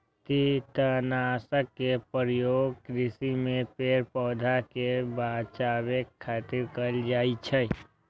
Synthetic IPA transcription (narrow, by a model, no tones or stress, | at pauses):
t̪it̪ənaːsəkːepəɾjoːɡ̚kɾɪsimẽpeːɾpɔːd̪ʱakebaːt͡ʃaːbekʰːaːt̪ɪɾkəld͡ʒaːit͡ʃʰɛ